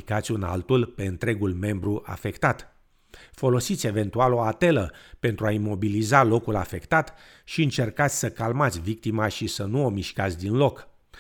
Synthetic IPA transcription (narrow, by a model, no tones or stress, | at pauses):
ikat̪sʲuna̰lt̪ulpe̞ɨnt̪ɾe̞ɡulme̞mbɾuʔa̰fe̞kt̪at̪ | fo̞lo̞sit̪sʲe̞ve̞nt̪ualo̞at̪e̞ləpe̞nt̪ɾuaimo̞bilizalo̞kulafe̞kt̪at̪ | ʃiɨnt͡ʃe̞rkat̪sʲsəkalmat̪sʲvik̚t̪imaʃisənuo̞miʃkat̪sʲd̪inlo̞k